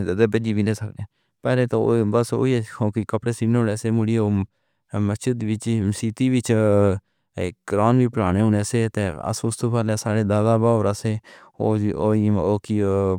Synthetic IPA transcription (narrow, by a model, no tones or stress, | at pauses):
d̪ebəd͡ʒiːbiːnẽːsəkneː | pɛːleːt̪obəso̰ːikõːkikəpɽeːsiːnːonɛːseːmʊɽiːoː | məst͡ʃɪd̪ʋɪt͡ʃsiːt̪iːʋɪt͡ʃ | ɡɾaːnʋiːpəɽaːneːʊnɛːseːt̪eːə̰sost̪oːpaːlesaːɽeːd̪aːɡaːbaːoːɾaseː | oːoioːki